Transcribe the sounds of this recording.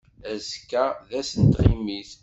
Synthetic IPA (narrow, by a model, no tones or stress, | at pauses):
æzkːæðæsənt̪ʁimiθ